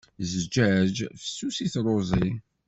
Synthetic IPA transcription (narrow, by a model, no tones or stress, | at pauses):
zd͡ʒæd͡ʒfə̥susiθɾˤozˤi